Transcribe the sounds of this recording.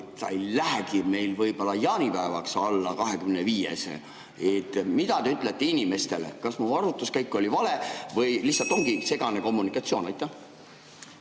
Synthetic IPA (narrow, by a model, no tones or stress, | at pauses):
t̪sɑ̰jlæɦæɡime̞jlvɤjbo̞lːɑjɑːnʲipæevɑksɑlːɑkɑɦe̞kymneviːjḛsḛ | et̪ˑːmid̪̥ɑt̪e̞yt̪ˑlet̪ːeinʲime̞st̪e̞lḛkɑsmuvɑɾut̪ːˑuskæjkːo̞livɑle̞vɤjlihtsːɑlt̪ˑo̞ŋɡ̥ise̞ɡ̥ɑne̞ko̞mːunikːˑɑt̪sio̞ːnɑjt̪ːˑɑ